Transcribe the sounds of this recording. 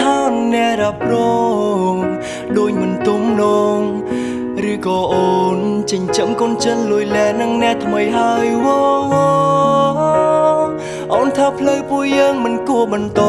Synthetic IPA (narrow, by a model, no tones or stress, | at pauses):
aːnnɛ̆əʔɾap̚rɔŋ | ɗoːəc̚mɨnt̪umnɔːŋ | rɨːkɔːʔoːnt͡ɕəɲt͡ɕəmkont͡ɕənluəjlɛːnɨŋnɛ̆əʔt̪ʰməjɦaəjwɔ | ʔoːnt̪ʰaːpʰləwpuəjːəːŋmɨnkuəɓɑnt̪o